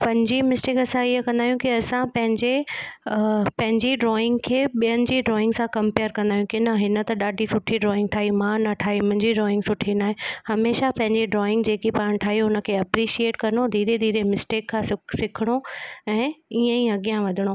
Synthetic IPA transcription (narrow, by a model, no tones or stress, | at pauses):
pɐ̃ɦɪɲd͡ʑimɪsʈeːkɐsãiɦəkɐ̃nd̪aːɦjũkiɐsãpɐ̃ɦɪ̃ɲd͡ʑe | pɐ̃ɦɪ̃ɲd͡ʑiɖɾɔːɪ̃ŋɡkʰeːɓijənɪ̆d͡ʑiːɖɾɔːɪ̃ŋɡsãkɐ̃mpeːəɾkɐ̃nd̪aːjũkinɐɦɪnə̆t̪ɐɗaːɖʱisʊʈʰiɖɾɔːɪ̃ŋɡʈʰaːɦimãnɐʈʰaːɦiʊmɦɪ̃ɲd͡ʑiɖɾɔːɪ̃ŋɡsʊʈʰinaːɦẽhɐmeːʃapɐ̃ɦɪ̃ɲd͡ʑeɖɾɔːɪ̃ŋɡd͡ʑeːkipaːɽ̃ʈʰaːɦiɦʊnə̆kʰeːɐpɾiʃieːʈkɐɾnod̪ʱiːɾed̪ʱiːɾemɪsʈeːkʰːãːsɪsɪkʰɪɽ̃oɛ̃ːiẽĩɐɠijãʋɐd̪ʱɪɽ̃o